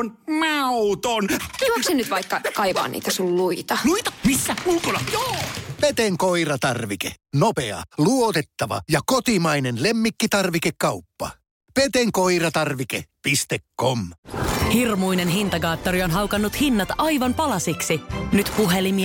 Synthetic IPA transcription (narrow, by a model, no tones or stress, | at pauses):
onmɑut̪onuoksenyt̪ʋɑikːɑkɑiʋɑ̰ːnḭːt̪æsulluit̪ɑluit̪ɑ̥misːæmuːkolɑjoːpet̪eŋkoirɑt̪ɑrʋikḛnopeɑ̰luot̪et̪ːɑʋɑ̰jɑkot̪imɑinenlemːikːit̪ɑrʋikekːɑupːɑ̰ | pet̪eŋkoirɑt̪ɑrʋikḛpist̪ekːomhirmujnenɦint̪ɑɡɑːt̪ːoɾio̞nɦɑwkɑnːut̪hinːɑt̪ɑjʋɑnpɑlɑsiksinyt̪puɦelimi